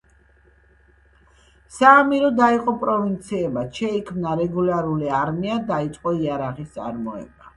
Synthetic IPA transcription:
saːmiɾɔd̪aiqʼɔpʼɾɔvint̪sʰiɛbaʃɛikʰmnaɾɛɡulaɾuliaɾmiad̪ait̪sʼqʼɔiaɾaʁist̪sʼa̰ɾmɔɛ̰ba

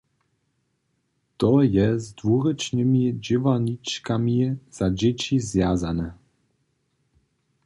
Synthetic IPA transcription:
t̪ɔjɛzd̪vuɾɛt͡ʂnɘmʲid͡ʑivaɲit͡ʂkamʲiz̥ad͡ʑɛt͡ɕizvʲjazanɛ

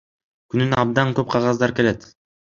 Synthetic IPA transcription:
kynynɑb̚d̪ɑŋkøp̚qʰɑʁɑzd̪ɑɾke̞le̞t̪

